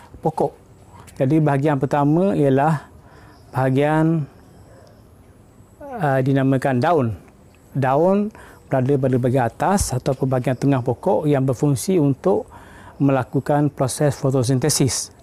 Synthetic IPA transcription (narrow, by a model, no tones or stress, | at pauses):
pokɔʔ | d͡ʒadibaɦaɡianpərt̪amə̃ijalah | b̥əɦaɡian | ədinamə̃kandaʊn | daʊnb̥əɾadəp̬adəbaɡaiat̪asat̪awpʊnbaɦaɡiant̪əŋãhpokɔʔjaŋbərfuŋsiunt̪ʊʔmə̃lakukanpɾosɛsfot̪os̬int̪ɛsɪs